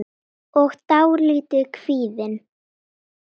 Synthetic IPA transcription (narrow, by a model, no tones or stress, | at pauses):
ɔɣt̪awɾliːt̪ʏkʰv̥iːðɪn